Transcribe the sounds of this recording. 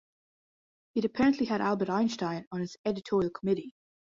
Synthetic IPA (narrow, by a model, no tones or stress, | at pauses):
ɨɾəpʰɛɹə̃nʔliɨɾalˠbəɾãɪ̃nʃtãɪ̃nə̃nɨzɛɾɨtʰɔɹiəlˠkʰəmɪɾi